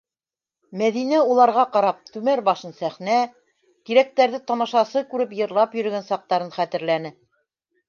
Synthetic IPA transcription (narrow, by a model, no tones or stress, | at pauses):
mæðinæulˠɑɾʁɑqɑɾɑp̚t̪ʉmæɾbɑʃɤnsæχnæ | t̪iɾæk̚t̪æɾðɘt̪ɑmɑʃɑsɤkʉɾɘpjɤ̆ɾlˠɑpjɵ̆ɾɵ̆ɡænsɑq̚t̪ɑɾɤnχæt̪ɘ̆ɾlænɘ